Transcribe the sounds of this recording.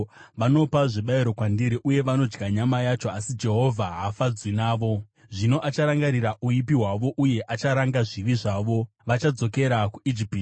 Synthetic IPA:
ʋano̞paʐiɓaiɾo̞kwandiɾiʔuje̞ʋano̞d͡ʒɡaɲamajat͡ʃo̞asid͡ʒe̞ɦo̞vʱaɦafad͡zwinaːʋo̞ | ʐino̞ʔat͡ʃaɾaŋɡaɾiɾaʔuipiɦwaʋo̞ʔuje̞ʔat͡ʃaɾaŋɡaʐiʋiʐaʋo̞ | ʋat͡ʃad͡zo̞ke̞ɾakuid͡ʒipii

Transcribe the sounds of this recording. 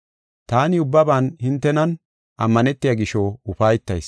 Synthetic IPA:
t̪aːnɪʊbːɐbaːnhɪnt̪ːɛnɐn | ʔɐmːɐnɛt̪ːɪjaɡɪʃoʊfaːjɪt̪ːɐ̰js

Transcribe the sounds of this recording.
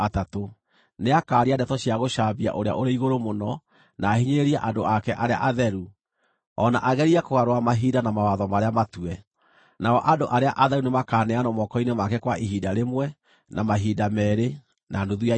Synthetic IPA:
atato | neakaːɾiandɛtɔɕiaɣoʃaβia̰ʔoɾea̰ʔoɾeiɣoɾomonɔ | naːhiɲeeɾiaʔadoakɛʔaɾea̰ʔaðɛɾu | ɔnaʔaɣɛɾiakoɣaɾowamaɦidanamawaðɔmaɾeamatuɛ | naɔʔadoʔaɾeaʔaðɛɾunemakaːnɛanɔmɔkɔinemakɛkwaʔiɦidaɾemwɛ | namaɦidamɛːɾe | naduðua

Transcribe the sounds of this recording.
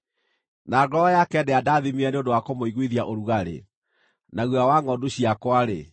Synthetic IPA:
naːɡɔɔjakɛdɛadaːðimiɛneondowakomoiɣwiðiaʔoɾuɣaɾḛ | naɣuawaŋɔduɕiakwaɾḛ

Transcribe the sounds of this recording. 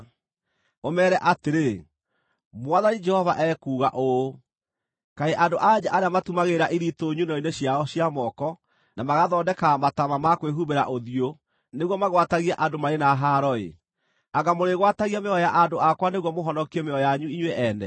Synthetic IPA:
omɛːɾɛʔateɾe | mwaðanid͡ʒɛhɔva̰ʔɛkuːɣa̰ʔo | kaeʔandoʔad͡ʑaʔaɾeamatumaɣeɾaʔiɾitoɲunɔineɕjaɔɕjamɔkɔ | namaɣaðɔːdɛkamatamamakweɦuβeɾa̰ʔoðio | neɣwɔmaɣwataɣiaʔandomaɾenaɦaɾɔḛ | aɣamoɾeɣwataɣiameɔjaʔandoakwaneɣwɔmoɦɔnɔkiemeɔjaɲuiɲweʔɛnɛ

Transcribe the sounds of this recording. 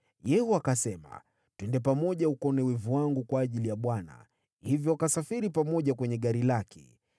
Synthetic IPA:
jɛhɔakasɛma̰ | twɛndɛp̬amɔʄaukɔnɛwɛvuwaŋɡukwaːʄilijaɓwana̰ | hivjɔakasafiɾipamɔʄakwɛɲɛɠaɾilakʰɛ̥̰

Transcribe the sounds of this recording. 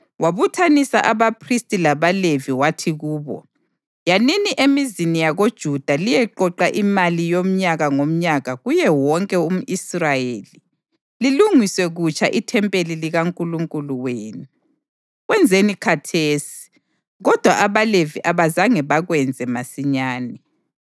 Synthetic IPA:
waβutʰanisaʔaβapʰristʼilaβaleviwatʰiɣuːβɔ̰ | janiniʔemizinijaɣod̥ʒ̥ʱud̥ʱalijɛǃɔǃaʔimalijom̩ɲaɣaŋom̩ɲaɣaɣujɛwɔŋkʼɛum̩israjeːli | liluŋiswɛɣut͡ʃʰʼa̰ʔitʰɛmpʼeliliɣaŋkʼuluŋkʼuluweːnu | ɣwɛnd͡zʱenikʰatʰeːsi̥ | ɣɔd̥ʱwaʔaβaleviʔaβazaŋɛβaɣwɛnd͡zʱɛmasiɲaːnɛ

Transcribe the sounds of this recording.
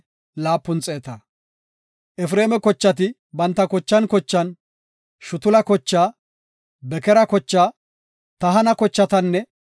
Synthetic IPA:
laːpːʊnt͡sʼeːt̪ɐː | ʔɛfɾeːmɛkɔt͡ʃːɐt̪ɪ | bɐnt̪ːɐkɔt͡ʃːɐnkɔt͡ʃːɐn | ʃʊt̪ʊlɐkɔt͡ʃːaː | bɛkɛɾɐkɔt͡ʃːaː | t̪ɐɦɐnɐkɔt͡ʃːɐt̪ɐnːɛ

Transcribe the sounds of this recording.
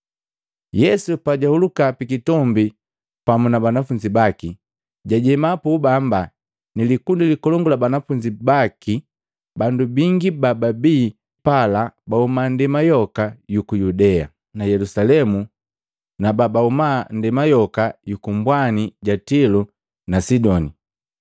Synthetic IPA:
jɛsupaɟahulukapikitɔmbi | pamunabanafuɲd͡ʒibaki | ɟaɟɛmapubamba | nilikundilikɔlɔŋɡulabanafuɲd͡ʒibaki | bandubiŋɡibababiː | palabaumandɛmajɔkajukujudɛa | najɛlusalɛmu | nababaumandɛmajɔkajukumbwaniɟatilu | nasidɔni

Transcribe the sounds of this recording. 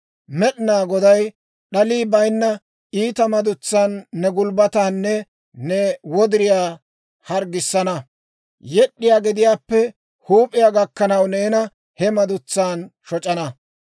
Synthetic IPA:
mɛɗnaːɡɔd̪ɐj | ɗɐliːbɐjnːɐ | iːt̪ɐmɐd̪ʊt͡sːaːnːɛɡʊlbɐt̪aːnːɛ | nɛwɔd̪ɪɾɪjaː | hɐɾɡɪsːɐnɐ | jɛɗːɪjaːɡɪd̪ɪjaːpːɛ | huːpʼːɪjaːɡɐkːɐnɐwneːnɐ | hɛmɐd̪ʊt͡sːaːnʃɔt͡ʃʼɐnɐ

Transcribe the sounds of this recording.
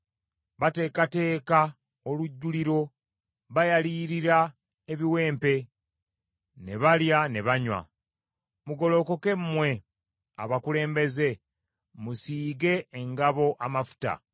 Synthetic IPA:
βate̞ːkate̞ːka | oluɟːuliɾo̞ | βajaliːɾiɾa | e̞βiwe̞ːmpe̞ | ne̞βaljane̞βaɲwa̰ | muɡo̞lo̞ko̞ke̞mmwe̞ | a̰βakule̞ːmbe̞ze̞ | musiːɡe̞ːŋɡaβo̞ʔamafu̥ta̰

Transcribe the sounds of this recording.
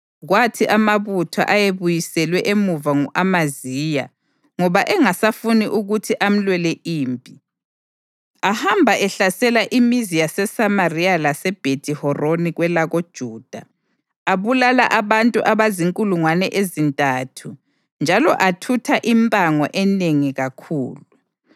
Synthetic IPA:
ɣwatʰiʔamaβutʰa̰ʔajeβujisɛlwɛʔemuvaŋuʔamaziːja̰ | ŋɔβaʔɛŋasafuniʔuɣutʰiʔam̩lwɛlɛʔiːmpʼi | ahambʱaʔɛɬasɛlaʔimizijasɛsamarialasɛb̥ʱedʱʼihɔroniɣwɛlaɣod̥ʒ̥ʱuːd̥ʱa | aβulala̰ʔaβantʼṵʔaβaziŋkʼuluŋwanɛʔezintʼatʰu | nd͡ʒʱalɔʔatʰutʰaʔimpʼaŋɔ̰ʔɛneŋiɣakʰṵːlu

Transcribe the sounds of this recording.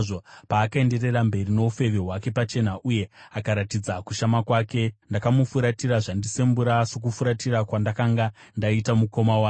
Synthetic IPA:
ʐopaːkae̞nde̞re̞rambe̞rino̞ufe̞ʋeɦwake̞pat͡ʃe̞naʔuje̞akaɾatid͡zakuʃamakwaːke̞ndakamufuɾatiraʐandise̞mbuɾasok̬ufuɾatirakwandakaŋɡandaitamuko̞mawa

